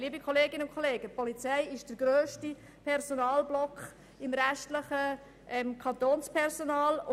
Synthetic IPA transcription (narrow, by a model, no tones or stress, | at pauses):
liːbikʰχoleːɡɪnəʊnkχoleːɡəpɔlit͡sɛɪɪʃd̥əɾɡɾøːʃti | pʰɛɾsonɑːlblɔkχ | ɪmɾæʃtləχə | ʔɛmkʰɑnt̪oːnspʰɛrzonɑːlʊ